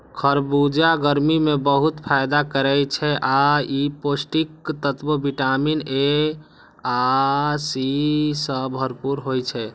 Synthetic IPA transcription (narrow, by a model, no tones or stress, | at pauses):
kʰəɾbud͡ʒaɡəɾmimebəɦut̪pʰajd̪akəɾɛt͡ʃʰɛʔaiposʈikt̪ət̪bəbiʈamine | asisə̃bʱəɾpuɾɦojt͡ʃʰɛ